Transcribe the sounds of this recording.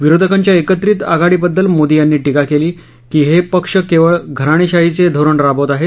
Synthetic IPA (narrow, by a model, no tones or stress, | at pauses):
ʋiɾod̪ʱəkaɲt͡ɕjaekət̪ɾiːt̪aɡaɽiːbəd̪ːəlmod̪ijanːiːʈikakeliː | kiːɦepəkʂəkeʋəɭɡʱəɾaɽ̃iːɕaɦit͡sed̪ʱoɾəɳɾabot̪aɦe